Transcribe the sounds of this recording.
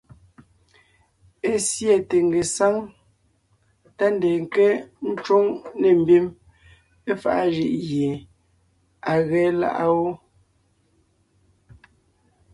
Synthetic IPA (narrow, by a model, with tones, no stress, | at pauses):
e˦sje˨te˨ŋ˨ɡe˨sa˦ŋ | ta˦n˦de˨ŋ˨ke˦n̩˦t͡ʃwo˦ŋne˨m̩˨bi˦m | e˦fa̰˦ʔa˦ʒi˦ʔɣje˨ | a˨ɣɛ˨˦la̰˦ʔa˦wo˦